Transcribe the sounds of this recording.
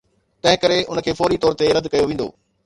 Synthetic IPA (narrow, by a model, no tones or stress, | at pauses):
t̪ɐ̃ɦɪ̃kɐɾeʊnəkʰeːfɔːɾit̪ɔːɾt̪eɾɐd̪kɐjoʋĩːn̆d̪o̰ː